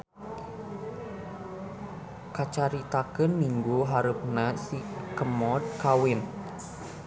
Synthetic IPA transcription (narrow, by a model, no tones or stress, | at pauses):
kat͡ʃaɾit̪akənmiŋɡuɦaɾup̚nasikəmɔd̪̚kawɪn